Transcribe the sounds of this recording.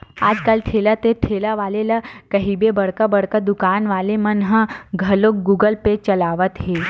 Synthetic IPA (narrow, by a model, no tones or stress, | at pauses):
aːd͡ʒkaːlt̪ʰelət̪et̪ʰeləʋaːleləkəɦibebəɽkəbəɽkəd̪ukaːnʋaːlemənɦəɡʱəlok̚ɡuːɡəlpet͡ʃəlaːʋət̪ɦe